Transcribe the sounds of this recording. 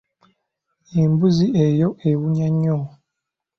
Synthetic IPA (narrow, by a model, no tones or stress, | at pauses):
eːmbuziejoʔewuɲaɲːo